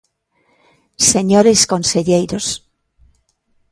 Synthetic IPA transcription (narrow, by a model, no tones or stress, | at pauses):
seɲoɾeskõnseʎejɾos